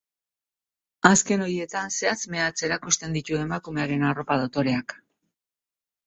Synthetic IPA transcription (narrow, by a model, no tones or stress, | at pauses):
aske̞no̞ɾje̞t̪anse̞at͡sme̞at͡se̞ɾakust̪e̞nd̪it̪ue̞makume̞aɾe̞naro̞paðot̪o̞ɾe̞ak